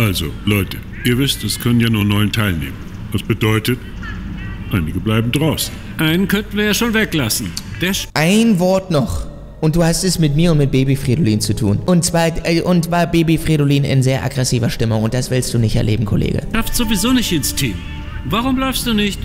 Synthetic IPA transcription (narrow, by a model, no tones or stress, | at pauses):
ʔalzolɔʏtʰə | ʔiːɐvɪstɛskʰœnənjaːnuːɐnɔʏəntʰaɪlnḛːmən | vasb̥ədɔʏtət | ʔaɪnɪɡəblaɪbm̩dʁaʊsn̩ | ʔaɪnənkʰœntn̩viːɐjaːʃoːnvɛklasn̩d̥ɛʔaɪnvɔɐtnɔχ | ʔʊnt̚d̥uːhastɛsmɪt̚miːɐʊntmɪt̚b̥eːbifʁ̥idoliːnt͡sutʰṵːnʔʊntt͡sv̥aɪʔʊntv̥aːbeːbifʁ̥idoliːnɪ̰nzeːɐʔa̰ɡʁɛsiːvɐʃtɪmʊŋʊnt̚d̥asv̥ɪlstd̥uːnɪçtʔɛɐleːbm̩kʰo̰lʔḛːɡə̰ʃaftz̥ovizoːnɪçtɪnstʰiːm | vaʁʊmblɔʏfstd̥uːnɪçt